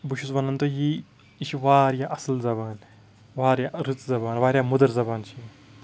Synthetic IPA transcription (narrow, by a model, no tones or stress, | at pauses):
buʃusbɐnɐnt̪oɦi | it͡ʃʰiʋaːɾjaʔɐsɐlzɐbaːn | ʋaːɾjaɾɨt͡szɐbaːnʋaːɾʲjaːmud̪ɐɾzɐbaːnt͡ʃʰi